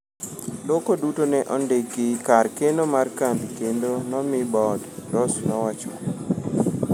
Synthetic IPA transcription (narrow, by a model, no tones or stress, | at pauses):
lokodutonɛʔɔndekikarkenomarkand̪ikendonɔmɪbɔddɔsnɔwat͡ʃɔ